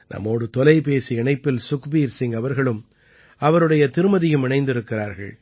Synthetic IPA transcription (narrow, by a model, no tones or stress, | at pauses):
nʔɐ̰mːoːɽɯt̪ɔlɐɪpeːsiɛɳɐɪpːɪlsʊkbiːɾsɪŋɐʋɐɾɣɐɭɯm | ʔɐʋɐɾɯɽɐjɐt̪ɪɾɯmɐðɪjɯmɪɳɐɪnd̪ɪɾɯkːɪɾaːɾɣɐ̰ɭ